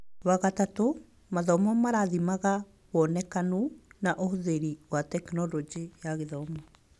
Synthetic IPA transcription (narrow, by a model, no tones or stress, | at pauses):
waɣatato | maðɔmɔmaɾaðimaɣa | βɔnɛkanunaʔohuðeɾiwatɛkinɔlɔd͡ʒijaɣeðɔmɔ